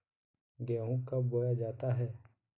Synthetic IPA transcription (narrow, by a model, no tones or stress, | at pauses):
ɡɛːɦũkɐbboːjad͡ʒaːt̪aɦɛː